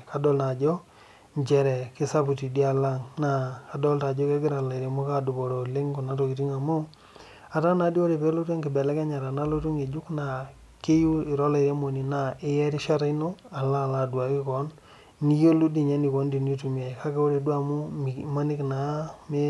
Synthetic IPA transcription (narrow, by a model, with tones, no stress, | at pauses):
ka˨dɔ˦lna˨d͡ʒɔ˦ | ɲd͡ʒɛ˨ɾɛ˨kɪ˦sa˦pu˨ti˨di˦a˨la˦ŋna˨ka˨dɔ˦lta˨d͡ʒɔ˦ke˦ɡɪ˦ɾa˨la˨ɾe˨mo˦ka˦du˨bo˨ɾo˨le˦ŋko˨na˦tɔ˨ki˨ti˦ŋa˨mu˦ | a˨ta˦na˨˦di˦o˦ɾe˨pɛ˦lo˦te˦ŋki˨bɛ˨lɛ˦kɛ˦ɲa˨ɾa˨na˦lo˦t̬u˦ŋe˨d͡ʒu˦kna˨ | ke˦ju˦i˨ɾɔ˦la˨ɾe˦mo˨ni˨na˨e˦jɛ˦ɾi˦ʃa˦ɾa˦i˦no˦a˨la˦˨la˨dwa˨ki˦kɔ˨˦n | ni˦o˦lu˦di˨ɲɛ˦ni˨kɔ˨˦ndi˨n˦o˦tu˨mi˨a˨ka˦ke˦o˦ɾe˨du˦a˨mu˦m˨ma˦ni˦kna˨me˦